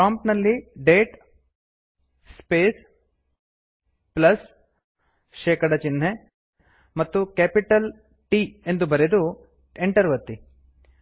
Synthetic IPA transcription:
pɾaːmpnɐlːiɖeːʈ | speːs | plɐs | ʃeːkɐɽɐt͡ʃin̤ːɦe | mɐt̪ːukeːpiʈɐl | ʈiːend̪ubɐɾed̪u | eɳʈɐɾʋɐt̪ːi

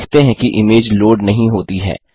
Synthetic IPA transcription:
kʰt̪eɦɛ̃kiʔɪmeːd͡ʒloːɖnɐɦĩɦoːt̪iɦɛ̰ː

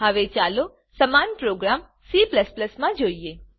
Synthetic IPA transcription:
aʋet͡ʃalo | səmanpɾoɡɾam | sipləspləsmãd͡ʒoie

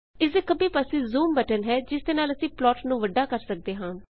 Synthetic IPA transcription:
ɪsekəbĩːpəsiːzuːmbɛːʈənɦɛːd͡ʒɪsd̪eːnaːləsĩːplɔːʈnũːʋəɖaːkəɾsək̚d̪eːɦãː

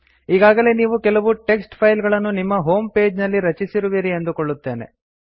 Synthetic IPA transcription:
iːɡaːɡɐle̞ːniːʋukɛlɐʋuʈe̞ksʈpʰɐjlɡɐɭɐnːunimːɐɦo̞ːmpe̞ːd͡ʒnɐlːiɾɐt͡ʃisiɾuʋiːɾiend̪ukoɭːut̪ːe̞ːne̞̰

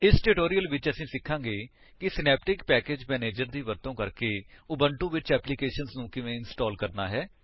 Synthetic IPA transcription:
ɪsʈʊʈoːɾijəlʋɪt͡ʃəsĩːsɪkʰːãːɡeː | kɪsɪnɛːpʈɪkpɛːkeːd͡ʒmɛːneːd͡ʒəɾd̪iːʋəɾt̪õːkəɾkeːʊbəɳʈũːʋɪt͡ʃɛːplɪkeːʃənznũːkɪʋẽːɪnsʈɔːlkəɾnaːɦɛː

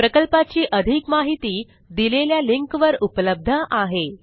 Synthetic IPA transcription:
pɾəkəlpat͡ɕiːʔəd̪ʱikmaɦit̪iː | d̪ileljaliŋkʋəɾupləb̚d̪ʱəʔaɦe

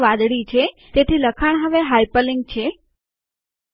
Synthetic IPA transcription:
ʋãd̪ɽit͡ʃʰe | t̪et̪ʰiləkʰaɳ̃ɦəʋeɦajpəlɪŋɡ̚t͡ʃʰe

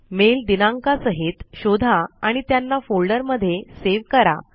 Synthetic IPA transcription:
meld̪inãŋkasəɦet̪ɕod̪ʱaaɽ̃it̪janːafolɖəɾməd̪ʱːjeseʋkəɾa̰

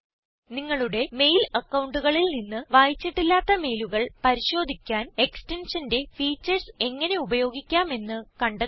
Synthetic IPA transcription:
niŋːɐɭuɽe̞me̞jlɐkːɐwɳɖuɣɐɭilninːɨʋaːjit͡ɕːiʈːilːaːt̪ːɐme̞jluɣɐɭpɐɾiɕo̞ːd̪ʱikʲːaːne̞ksʈe̞nʂɐnde̞fiːt͡ɕːɐrse̞ŋːɐne̞ubɐjo̞ːɡikʲːaːme̞nːɨkɐɳɖɐ

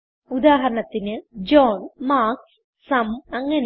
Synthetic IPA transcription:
ud̪aːɦɐɾɐɳɐt̪ːinɨd͡ʑoːnmaːks | sɐmɐŋːɐn

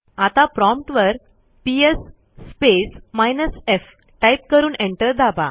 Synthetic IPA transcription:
at̪apɾɔmpʈʋəɾ | piesː | pesmajnəsef | ʈajp̚kəɾuːneɳʈəɾd̪aba

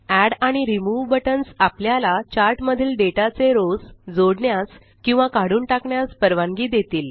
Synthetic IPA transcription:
æɽaɽ̃iɾimuʋbəʈənsapljalat͡ɕaɾʈməd̪ʱiːlɖeʈat͡seɾod͡zd͡zoɽɳjas | kĩw̃ʋakaɽuːnʈakɳjaspəɾʋãŋɡiːd̪et̪iːl

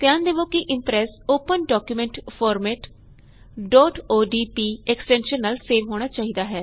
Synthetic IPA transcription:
t̪ɪãːnd̪eːʋõːkɪʔɪmpɾɛːsoːpənɖɔːkjumɛ̃ːɳʈpʰɔːɾmɛːʈ | ɖɔːʈoːɖiːpiːɛksʈɛ̃ːnʃənːaːlseːʋɦoːɽ̃aːt͡ʃaːɦiːd̪aːɦɛː

